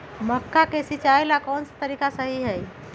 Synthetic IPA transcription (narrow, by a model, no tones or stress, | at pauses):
məkːakesɪt͡ʃaːjlakɔːnsḁt̪əɾiːkasəɦiɦɛ